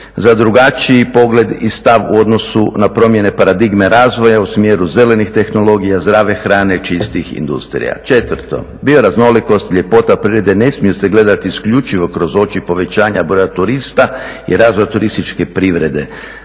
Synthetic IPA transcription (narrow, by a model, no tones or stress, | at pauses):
zad̪ɾuɡat͡ʃiipo̞ɡle̞d̪ist̪aʋṵo̞d̪no̞sunapɾo̞mje̞ne̞paɾad̪iɡme̞ɾaːzʋo̞jausmjeɾuze̞le̞nixt̪e̞xno̞lo̞ɡijazd̪ɾaːʋe̞xɾaːne̞t͡ʃist̪ixḭnd̪ṵst̪ɾḭja̰t͡ʃe̞t̪ʋəɾt̪o̞̰ | bio̞ɾazno̞liko̞st̪iʎʲe̞po̞t̪apɾiʋɾe̞d̪e̞ne̞smijuse̞ɡle̞d̪at̪iːskʎut͡ʃiʋo̞kɾo̞zo̞t͡ʃipo̞ʋe̞t͡ʃaːɲabɾo̞jat̪uɾist̪aḭɾaːzʋojat̪uɾist̪it͡ʃkepɾiʋɾe̞d̪e̞̰